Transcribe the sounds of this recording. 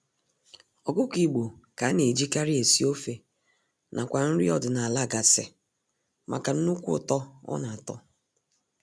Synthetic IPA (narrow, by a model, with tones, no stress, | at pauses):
ɔ˨ɡʊ˦kʷi˨ɡ͡bo˨ka˨˦ne˨d͡ʒi˦ka˦ɾi˦e˨si˦o˦fe˨ | nʔa˨kʷa˨n̩˦ɾi˦ɔ˦dʊ˨na˨a˨la˦˨ɡa˨se˨ | mʔa̰˨ka˨n̩˦nu˦kʷʊ̰˦ʊ˨tɔ˦ɔ̰˦na˨a˨tɔ˦